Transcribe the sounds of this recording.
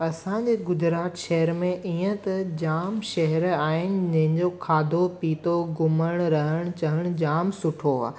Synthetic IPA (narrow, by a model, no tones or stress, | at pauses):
ɐsãɲd͡ʑeːɡʊd͡ʑɾaːt̪ʃɐɦəɾmẽʔiːə̃t̪ɐd͡ʑaːmʃɐɦɛɾaːɦɪnɪ̆d͡ʑɐ̃ɦɪ̃ɲd͡ʑokʰaːd̪ʱopiːt̪oɡʊməɽ̃ɾɐɦəɽ̃t͡ɕɐɦəɽ̃d͡ʑaːmsʊʈʰoa̰ː